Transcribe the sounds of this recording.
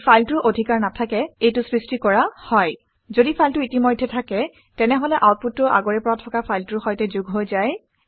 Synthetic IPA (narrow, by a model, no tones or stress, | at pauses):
pʰajltʊɹʔodʱikaɹnatʰakɛejtʊsɹistikɔɹahɔj | zodipʰajltʊitimojdʱjɛtʰakɛ | tɛnɛɦɔlɛʔawt̚put̚ːʊʔa̰ɡoɹɛpɔɹatʰɔkapʰajltʊɹxɔjtɛzuɡɦojzaj